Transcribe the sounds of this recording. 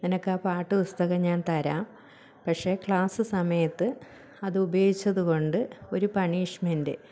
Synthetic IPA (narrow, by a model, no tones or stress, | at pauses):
nenɐkːaːpaːʈːɨpust̪ɐɣɐmɲaːnt̪ɐɾaːm | pɐkʂe̞ːkɭaːsɨsɐmɐjɐt̪ːɨ | ɐðɨubɐjoːɡit͡ɕːɐðuko̞ɳɖɨo̞ɾupɐɳiːʂmɐndḛ